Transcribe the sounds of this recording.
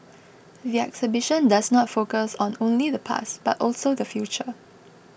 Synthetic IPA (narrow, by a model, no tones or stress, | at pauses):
ðiɛ̰ksəbɪʃə̃ndaznɔtfokəsɔ̃nõnliðəpʰa̰sb̥atʔɔlsodəfjut͡ʃə